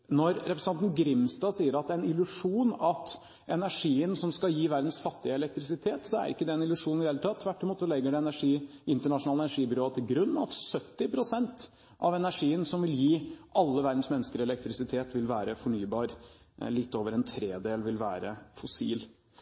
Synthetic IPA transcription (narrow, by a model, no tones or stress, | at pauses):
nɔɾɾɛpɾsʰɑnn̩ɡɾɪmst̪ɑːsiːəɾɑt̪ænɪlʉʂuːnɑt̪ | ɛnæʂiːənsɔmskɑjiːʋæɾd̪n̩sfɑt̪ːɪəɛlɛk̚t̪ɾɪsɪt̪ʰeːt̪sɔæ̰ɾɪ̰kːəd̪ɛɛnɪlʉʂuːnɪheːlt̪ʰɑːt̪ʰːʋæʈːɪmuːt̪sɔlɛɡːəɖɛɛnæʂiːʔɪnt̪əɳɑʂʊnɑːləɛnæʂiːbʏɾoːt̪ʰɪlɡɾʉnːɑ̰t̪sœt̪ːɪpʰɾʊsɛnt̪ | ʔɑʋɛnæʂiːənsɔmʋɪljiːʔɑlːəʋæɾd̪n̩smɛnːəskəɾɛlɛk̚t̪ɾɪsɪt̪ʰeːt̪ʋɪlʋæːɾəfɔɳyːbɑːɾ | lɪt̪ːoːʋəɾɛnt̪ʰɾeːd̪eːlʋɪlʋæ̰ːɾə̰fɔsiːl